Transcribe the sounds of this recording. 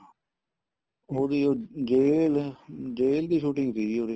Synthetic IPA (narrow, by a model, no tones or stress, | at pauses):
oːd̪iːoːd͡ʒeːld͡ʒeːld̪iːʃuːʈɪ̃ŋɡt̪iːoːd̪ː